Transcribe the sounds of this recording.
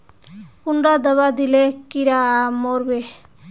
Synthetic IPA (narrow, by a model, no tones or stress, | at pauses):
kuɳɖad̪əβad̪ilekiɾamoɾbe